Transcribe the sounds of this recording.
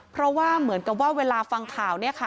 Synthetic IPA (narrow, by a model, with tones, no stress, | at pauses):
pʰɾɔ˦˥waː˥˩mɯ˩˦ənka˨˩p̬̚waː˥˩weː˧laː˧fa˧ŋk̪ʰaː˨˩wni˥˩ɐkʰa˦˥˩